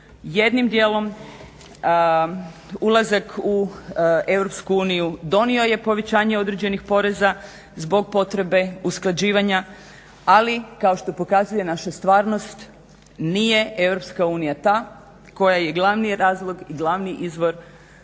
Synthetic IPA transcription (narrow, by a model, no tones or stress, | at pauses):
jed̪nimd̪jeːlo̞m | ulˠazaku | e̞ʋɾo̞pskuuːnijud̪o̞nio̞je̞po̞ʋe̞t͡ɕaːɲe̞o̞d̪ɾed͡ʑe̞nixpo̞ɾe̞za | zbo̞ɡ̚po̞t̪ɾe̞be̞usklˠad͡ʑiːʋaɲa | alikao̞ʃt̪o̞po̞kazuje̞naʃast̪ʋaːɾno̞st̪ | nije̞e̞ʋɾo̞pskauːnijat̪aː | ko̞jaje̞ɡlˠaʋniɾaːzlˠo̞ɡiɡlˠaʋniʔizʋo̞ɾ